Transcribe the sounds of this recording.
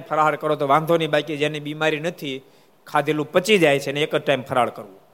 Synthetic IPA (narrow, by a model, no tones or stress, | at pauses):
pʰəɾaɦaɭkəɾot̪oʋãnd̪ʱonibajkid͡ʒenibimaɾinət̪ʰi | kʰad̪ʱelũpət͡ʃid͡ʒajt͡ʃʰeneːkəʈaimpʰəɾaɭkəɾʋũ